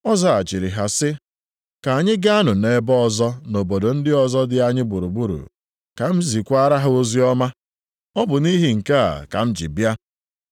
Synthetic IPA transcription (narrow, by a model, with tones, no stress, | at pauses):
ɔ˦za˦a˨t͡ʃi˨ɾi˨ɦa˨sɪ˦ | ka˨a˨ɲɪ˦ɡa˦a˦nʊ˨ne˨˦bɔ˦ɔ˨zɔ˦no˨bo˨do˨n̩˦dɪ˦ɔ˦zɔ˦dɪ˦a˨ɲɪ˦bu˨ɾu˨bu˦ɾṵ˨ | ka˨m̩˦zi˨kʷa˦ɾa˦ɦʊ˦o˦zi˦ɔ˦ma˦ | ɔ˦bʊ˨ni˦ɦi˨ŋ̩˨ka˦a̰˨ka̰˨m̩˦d͡ʒḭ˨bja˦